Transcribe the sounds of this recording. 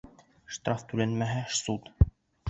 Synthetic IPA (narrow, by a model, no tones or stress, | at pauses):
ʃt̪rɑft̪ʉlænmæɦæʃsut̪